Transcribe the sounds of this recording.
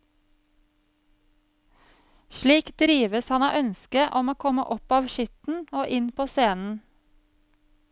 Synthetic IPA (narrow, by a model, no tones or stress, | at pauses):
ʃliːkd̪ɾiːʋəshɑnɑ̰ːʔœnskəʔɔmoːkʰɔmə̰ʔɔpɑːʋʃʏt̪n̩oːʔɪnpʰoːseːnn̩